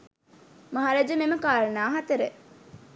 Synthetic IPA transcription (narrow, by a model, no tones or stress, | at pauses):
mɐɦaɾad͡ʒəmeməkaːɾɐnaːɦat̪ɐɾe